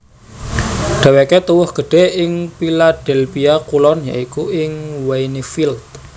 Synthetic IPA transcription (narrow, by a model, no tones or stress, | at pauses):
ɖ̥a̤weket̪uwʊhɡ̥ə̤ɖ̥ɛ̤ɪŋpilad̪̥ɛ̤lpijakulɔnja̰ikuʔɪŋwainifilt̪̚